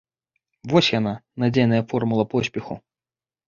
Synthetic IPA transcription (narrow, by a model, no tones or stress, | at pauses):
vɔsʲjananad͡zʲejnɐjɐfɔrmulˠɐpɔsʲpʲɛxu